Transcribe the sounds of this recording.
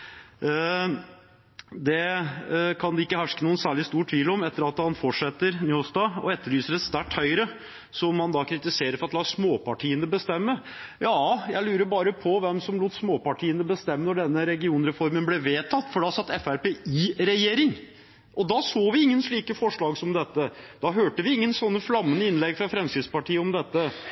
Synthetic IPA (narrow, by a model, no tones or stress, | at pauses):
d̪ɛ | kʰɑnd̪ɛɪkːəhæʂkənuːənsæːɭɪst̪uːʈʰʋiːlɔmɛt̪ːəɾɑt̪hɑnfɔʈʂɛt̪ːəɾnyːɔst̪ɑːɔ̰ɛt̪ːəɭyːsəɾɛt̪st̪æʈːhœʏɾə | sɔmːɑnd̪ɑːkʰɾɪt̪ɪseːɾəɾfɔɾɑt̪lɑːsmoːpɑʈʰiːənəbəst̪ɛmːə | jɑːjæɪlʉːɾəbɑːɾəpʰɔʋɛmsɔmluːt̪ːsmoːpɑʈʰiːənəbəst̪ɛmːənɔɖɛnːəɾɛɡɪuːnɾɛfɔɾmənblɛʋeːt̪ʰɑt̪ːfɔɖɑsɑt̪ːɛfæɾpeiːɾɛjeːɾɪŋ | ʔɔd̪ɑsoːʋɪɪŋːənʂɭiːkəfɔʂɭɑːɡsɔmd̪ɛt̪ːəd̪̥ɑɦøːʈəʋɪɪŋːənsɔnːəflɑmːənəɪnlɛɡfɾɑfɾɛmskɪd̪spɑʈʰiːəɔmd̪ɛt̪ːə